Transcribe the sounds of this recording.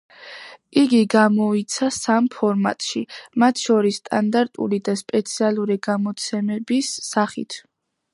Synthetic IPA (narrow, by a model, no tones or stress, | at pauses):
iɡiɡamɔit̪sʰasampʰɔɾma̰t̪ʼʃimat̪ʰʃɔɾisːt̪ʼand̪aɾt̪ʼṵɾid̪aspʼɛt̪sʰialˠuɾiɡamɔt̪sʰɛmɛbisːaχḭt̪ʰ